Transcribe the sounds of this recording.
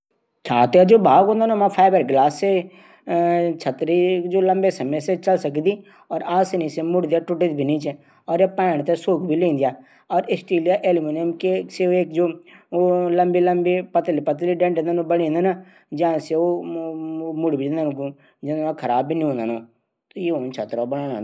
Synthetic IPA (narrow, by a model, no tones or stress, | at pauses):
t͡ʃʰaːt̪ead͡ʒoːbaːɡɦõːnd̪aːnõːmãːpʰaːbəɾɡlaːsːeː | t͡ʃʰət̪ːɾiːd͡ʒoːləmbeːsəmẽːset͡ʃəlsəkd̪iː | ɔːɾaːsenĩseːmʊɽd̪ijaːʈʊʈit̪bʱiːnĩːt͡ʃː | ɔːɾeːpɛ̃ːɽt̪eːsoːkbʱiːlẽːnd̪ɪjaː | ɔːɾɪsʈiːlijaːʔeːlmiːnemkeseoeːkd͡ʒoː | ləmbiːləmbiːpət̪lipət̪̬liːɖɛ̃ɳʈẽnd̪aːnõbəɽĩːnd̪aːna | d͡ʒãːseoː | mʊɽbiːd͡ʒɪ̃nd̪aːnũːkũː | d͡ʒɪnd̪ãːkʰəɾaːbbiːnĩːɦõːnd̪aːnõː | t̪ojeːõːt͡ʃʰət̪ːɾabəɽ̃ãːnã̰ːnd̪